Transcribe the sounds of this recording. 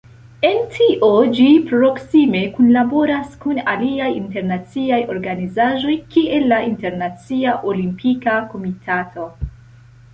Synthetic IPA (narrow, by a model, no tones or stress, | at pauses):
e̞ntʰiʔo̞d͡ʒipɾo̞ksime̞kunlabo̞ɾaskunaliajinte̞ɾnat͡siajo̞ɾɡanizaʒo̞jkie̞lːaʔinte̞ɾnat͡siaʔolimpʰikako̞mitʰatʰo̞